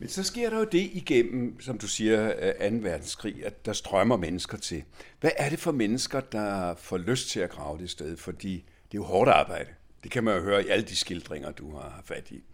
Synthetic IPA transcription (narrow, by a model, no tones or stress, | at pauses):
mensɒ̽sɡ̥e̝ɐ̰ɾ̥ɑ̈jo̝d̥e̝ʔiɡ̥em̰m̩sɒ̽md̥usiːɐʔænn̩ʋæɐd̥n̩skʰʁḭːæd̥ɑ̈sd̥ʁɶmɐmenəsɡ̥ɐt͡sʰe̝lʋæʔːɐɾ̥e̝fɒ̽menəsɡ̥ɐd̥ɑ̈fɒløsd̥̚t͡sʰe̝læɡ̥ʁɑ̈ːʊd̥esd̥eð̞ˠfɒ̽d̥ḭː | d̥e̝jo̝hɒːɾ̥əɑ̈ːb̥ɑ̈ɪ̰ɾ̥ə | d̥e̝kʰæmænjo̝høːɐiæləd̥isɡ̥e̝ld̥ʁeŋ̰ɐd̥uhɑ̈fæd̥i